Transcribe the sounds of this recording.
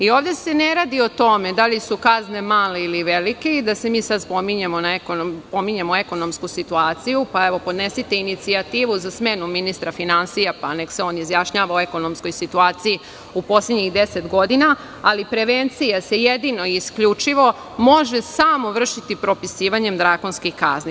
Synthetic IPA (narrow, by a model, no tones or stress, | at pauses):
io̞ːʋd̪e̞se̞neɾaːd̪io̞t̪o̞me̞d̪alisukazne̞maːle̞iliʋelike̞id̪ase̞miːsad̪spo̞miɲemo̞naekonopo̞miɲemoe̞ko̞no̞mskusit̪uaːt̪sijupaeʋo̞po̞d̪nesit̪einit̪siat̪iːʋuzasme̞numinist̪ɾafinansijapanekseo̞ːnizjaʃɲaːʋaoeko̞no̞msko̞jsit̪uaːt̪siji | upo̞sledɲiɣd̪e̞se̞t̪ɡo̞d̪inaː | lipɾe̞ʋent̪sijase̞jed̪ino̞iiskʎut͡ʂiʋo̞ | mo̞ʒe̞samo̞ʋr̩ʃit̪ipɾo̞pisiːʋaɲe̞md̪ɾako̞nskixkazni